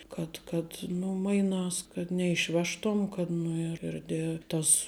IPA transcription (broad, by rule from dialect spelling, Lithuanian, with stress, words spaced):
kɐt kɐt ˈnʊ ˈmɐɪnɑːs kɐt nʲɛɪʃʲˈʋʲæːʃtuɔm kɐt ˈnʊ ɪr ɪr dʲɛ ˈtɐs